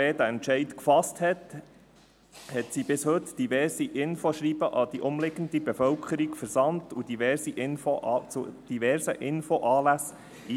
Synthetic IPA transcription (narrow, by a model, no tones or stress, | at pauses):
eːdæɛntt͡ʃɛɪtkfɑsthɛt | hɛtsiːbɪshɵtd̥ivɛɾsiʔɪnfoʃɾiːb̥əʔɑd̥iʔʊmlɪɡən̩d̪ibɛfœlkʰəɾiɡfɛɾsɑntud̥ivɛɾsiʔɪnfoʔɑt͡sud̥ivɛɾsəʔɪnfoʔɑːlæs | iː